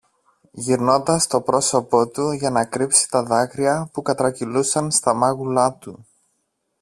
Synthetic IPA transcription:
ʝiɾno̞nd̪ɐst̪o̞pɾo̞so̞po̞t̪uʝɐnɐkɾipsi̥t̪ɐðɐkɾiɐpukɐt̪ɾɐcilusɐnst̪ɐmɐɣulɐt̪u

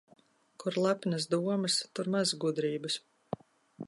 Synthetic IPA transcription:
kuɾlˠapʲnɐsd̪uɔmɐst̪uɾmazɡud̪ɾiːbɨs

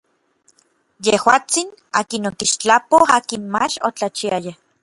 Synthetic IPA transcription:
jehwaːt͡sina̰ːkinot̪iʃt͡ɬapoaːkinmat͡ʃot͡ɬat͡ʃiaja

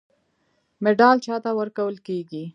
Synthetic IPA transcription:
mɪɖɑlt͡ʃɑt̪awəɾkawəlkeɡi

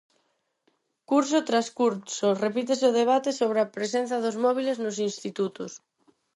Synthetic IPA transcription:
kuɾsot̪ɾaskuɾsorepit̪̬eseoðeβ̞at̪esoβ̞ɾeapɾesen̟θɐðozmɔβ̞ileznosinst̪it̪ut̪ʊs

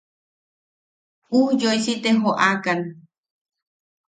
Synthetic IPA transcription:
uhjoisit̪eɦoʔakan

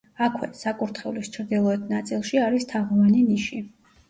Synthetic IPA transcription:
akʰwɛ̰sakʼuɾt̪ʰχɛulist͡ʃʰɾd̪ilˠɔɛt̪ʰnat̪sʼilˠʃiaɾist̪ʰaʁvaniniʃi

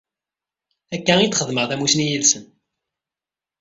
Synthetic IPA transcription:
ækːæit͡s̪ːχəðməʁθæmusnijilsən

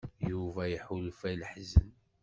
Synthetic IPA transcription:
juvæjəħulfæləħzən

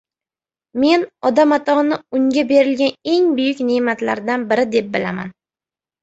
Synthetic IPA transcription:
me̞nɒd̪amat̪ʰɒnɪʊŋɡʲabe̞ɾɪlɡʲane̞ŋbʊjɪkʲnemat̪la̰ɾd̪anbɪɾɪd̪e̞p̚bɪlama̰n

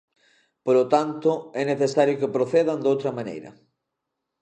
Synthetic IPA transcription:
polot̪ant̪ʊɛneθesaɾjokepɾoθeðand̪owt̪ɾɐmanḛjɾɐ̰

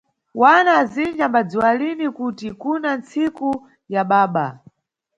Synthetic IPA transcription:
wanaːzind͡ʒambad͡ziwalinikutikunant͡siku | jaɓaːɓa

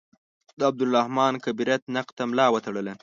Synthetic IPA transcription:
d̪əab̚d̪ʊlːahmɑnkabiɾat̪naqt̪amlɑwət̪aɽəla

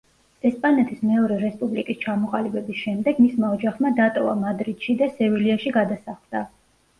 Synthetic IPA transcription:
ɛspʼanɛt̪ʰismɛɔɾɛɾɛspʼublikʼist͡ʃʰamɔqʼalibɛbisʃɛmd̪ɛɡmismaɔd͡ʒaχmad̪at̪ʼɔva̰mad̪ɾid̪̥ʃid̪asɛviliaʃiɡad̪asaχld̪̥a

